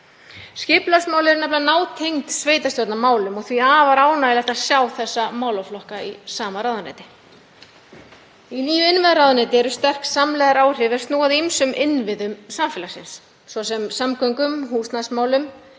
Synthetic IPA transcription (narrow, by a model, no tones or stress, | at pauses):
scɪplasmaːwlɛɾʏnɛplanaːwt̪ʰejŋt̪sveːjt̪ast̪jɔt̪namaːwlʏmɔɣθviaːvaɾaːwnalɛht̪asjawθɛsːamaːwlɔflɔhkaisaːmaɾaðanɛ̰ːt̪ɪ̥ | iniːjʏɪnvɪðaɾawðnɛːt̪ɪɛɾʏst̪ɛr̥ksamlɛːɣðaɾaːwr̥ɪvɛɾst̪nuːaðimsʏmʔɪnvɪðʏmsamfɪlasɪ̰nsː | vɔsɛmsamkœŋkʏmhuːst̪nasmaːwlʏm